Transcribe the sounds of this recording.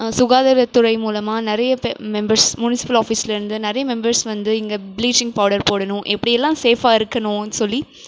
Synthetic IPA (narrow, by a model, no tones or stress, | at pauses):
sʊɣaːðɐɾɐt̪ːʊɾɐɪmuːlɐmaːnɪɾɐjɐpmɛmbɐɾsmʊnɪsɪ̥pɐlaːfiːsɪlɐɪɾɯnd̪ɯnɪɾɐjɐmɛmbɐɾsʋɐnd̪ɯɪŋɡɐbɪliːt͡ʃɪ̃ŋɡpaːɽɐɾpoːɽɐnʊ̃ʔɛpːɐɽɪjɛlːãːseːfaːɪɾɯkːɐnʊ̃nːsɔlːi